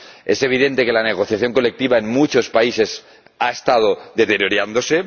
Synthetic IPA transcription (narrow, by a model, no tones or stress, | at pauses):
e̞̰se̞β̞iðe̞nt̪e̞ke̞lane̞ɣ̞o̞θjaθjo̞ŋko̞le̞k̚t̪iβae̞nmut͡ʃo̞spaise̞s | ae̞st̪að̞o̞ðe̞t̪e̞ɾjoɾjand̪o̞se̞